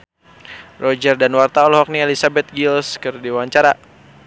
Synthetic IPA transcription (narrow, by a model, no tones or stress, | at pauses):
rɔd͡ʒərdanwart̪aɔlhɔk̚niɛlisabɛt̪̚ɡilskərdiwaɲt͡ʃaɾa